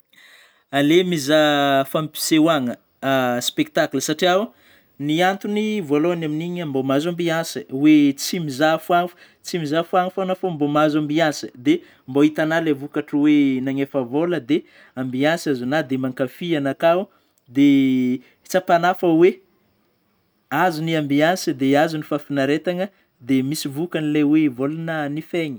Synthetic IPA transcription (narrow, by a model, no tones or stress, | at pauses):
alemizafampi̥sewaŋə | spek̚t̪aklsaʈ͡ʂiaw | niant̪univualoanaminiɲambomazambiansəwet͡simizafuaŋfu̥ | t͡simizafuaŋfonəfoambomazambiasəd̪e | mboit̪analavukaʈ͡ʂəwenaŋefavoləd̪e | ambiasazunad̪emaŋkafianakau | d̪e | t͡sapanafəwe | azuniambiansəd̪eazunifafinaɾet̪aŋə | d̪emisivukanilawevolanənifeɲi̥